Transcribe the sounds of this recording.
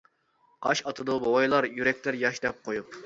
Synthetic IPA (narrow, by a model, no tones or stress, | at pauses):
qɑʃɑt̪ʰɨd̪obowɑjlˠɑɾjyɾɛk̚ʲt̪ɪɾjɑʃd̪ɛp̚qʰojup̚